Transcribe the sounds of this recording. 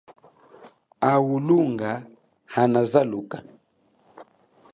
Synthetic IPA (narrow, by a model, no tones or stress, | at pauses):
awuluŋɡa | hanazaluka